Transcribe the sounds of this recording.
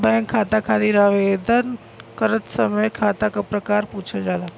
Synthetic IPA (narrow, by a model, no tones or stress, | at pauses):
bɛ̃ŋkʰːat̪akʰat̪iɾaʋed̪ən | kəɾət̪səməjkʰaːt̪akapɾəkaːɾput͡ʃʰəd͡ʒaːla